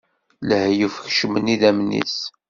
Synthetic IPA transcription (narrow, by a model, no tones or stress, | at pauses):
ləhjufçʃməniðæmnḭs